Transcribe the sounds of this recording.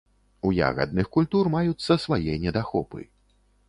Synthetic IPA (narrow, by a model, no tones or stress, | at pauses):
uja̰ɣɐ̰d̪̚nɨxkulʲt̪urmajut̪sːɐsvajɛnʲɛd̪axɔpɨ̰